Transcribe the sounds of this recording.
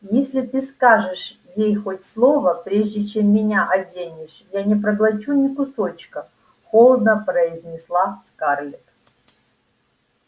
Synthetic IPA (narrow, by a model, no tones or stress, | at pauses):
jesʲlʲɪt̪ɨskaʐɨʂjejxotʲslˠovəpɾʲeʐdʲɪt͡ɕemːʲɪnʲaʔɐdʲenʲɪʂjanʲɪpɾəɡlˠɐt͡ɕunʲɪkʊsot͡ɕkə | xolˠəd̪nəpɾəɪzʲnʲɪslˠaskarlʲɪt̪